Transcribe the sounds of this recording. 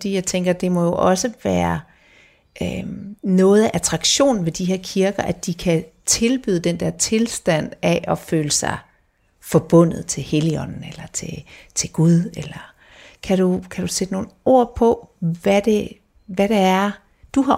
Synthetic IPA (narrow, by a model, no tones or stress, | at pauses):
d̥ḭːjɑ̈ɪt͡sʰeŋɡ̥ɐd̥e̝mɒ̽jo̝ʔɒ̽səʋæːɐ | ʔønɔ̽ːð̞̩ˠæʔæt͡sʰʁɑ̈ɡ̥ɕo̝̰ːn̩ʋe̝d̥iɦɛɐ̰kʰiɐɡ̥ɐʔæ̥d̥ikʰæt͡sʰe̝lb̥y̰ːðˠəd̥end̥ɛɐ̰t͡sʰe̝lsd̥æn̰æʔɒ̽føːləsɑ̈ɪ | fɒb̥ɔ̽n̰ð̞̩ˠt͡sʰe̝lheliɒ̽n̰n̩elɐt͡sʰe̝t͡sʰe̝lɡ̥uðˠelɐ | kʰæɾ̥ukʰæɾ̥used̥əno̝ːn̩ˠo̝ɐ̰pʰɒ̽ʋæd̥e | ʋæɾ̥eæɐ | d̥uɦɑ̈